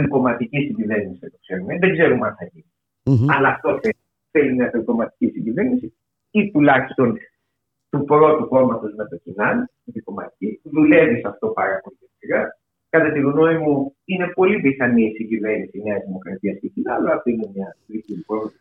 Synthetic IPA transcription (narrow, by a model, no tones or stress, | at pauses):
eŋko̞mɐt̪icisiɲɟive̞ɾnisiet̪okse̞ɾumeðeɡze̞ɾumɐnθɐʝini | ɐlɐːft̪o̞θe | θelimɲɐt̪eŋɡo̞mɐt̪i̥cisiɲɟive̞ɾnisi | it̪ulɐçist̪o̞n | t̪upɾo̞t̪uko̞mɐt̪o̞znɐt̪ocinɐnit̪iko̞mɐ̰t̪i̥ciðule̞visɐft̪o̞pɐ̰ɾɐpolitesiɾɐ | kɐt̪ɐt̪iɣno̞imuine̞po̞liviθɐnisiɲɟive̞ɾnisine̞ɐzðimo̞kɾɐt̪iɐscecinɐloɐft̪oinemɐtɾit̪ipɾo